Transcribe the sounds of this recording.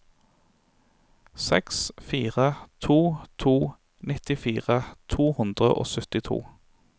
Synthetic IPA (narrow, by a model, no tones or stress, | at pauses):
sɛ̰ksfiːʁət̪ʰuːt̪ʰuː | nɪt̪ɪfiːʁət̪ʰuːhʉnd̪ʁəʔo̰ːsœt̪ɪt̪ʰṵː